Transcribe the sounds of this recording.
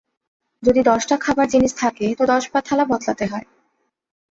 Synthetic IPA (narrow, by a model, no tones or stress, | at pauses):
d͡ʑod̪id̪ɔʃʈakʰabaɾd͡ʑiniʃt̪ʰaket̪od̪ɔʃpat̪ʰːalabɔt̪lat̪eɦɔe